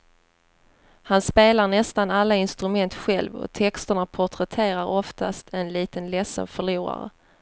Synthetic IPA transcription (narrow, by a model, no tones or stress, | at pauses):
hanspeːlaɾɳɛst̪analːaɪnst̪ɾɵmɛnt̪ɧɛlvɔ̰t̪ʰɛkst̪əɳapʰʊʈʰɾɛt̪ʰeːɾaɾɔft̪ast̪ʰɛnliːt̪ənlɛsə̰nfœɭuːɾa̰ɾə̰